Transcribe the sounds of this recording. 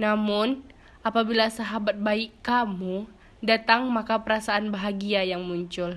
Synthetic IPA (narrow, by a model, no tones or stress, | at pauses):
namʊn | ʔapabilasaɦabat̪̚baiʔkamu | dat̪aŋmakapəɾasaːnbaɦaɡiajaŋmuɲt͡ʃʊl